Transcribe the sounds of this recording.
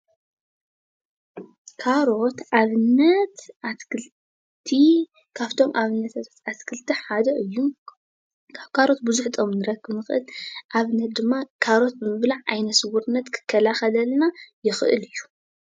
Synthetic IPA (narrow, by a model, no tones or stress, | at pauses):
kʰaɾo̞t̪ʔaβɨnːɐt̪aɨl | t̪ʰi | kʰaβt̪ʰo̞mʔaβɨnːɐt̪ʰat̪ | askʰɨlt̪ʰiħad̪ɐʔɨjːu | aβkʰaɾo̞t̪̚buzuħt̪ʰo̞mnɨɾɐkːɨβnɨxɨ̰lʔaβnɐt̪̚d̪ɨmːakʰaɾo̞t̪̚bɨmɨβlaʕʔajnɐsɨwuɾnːɐt̪kʰɨ̥kʰːɐlaxɐlɐlnajɪxɨʔɨ̰lɨjːu̥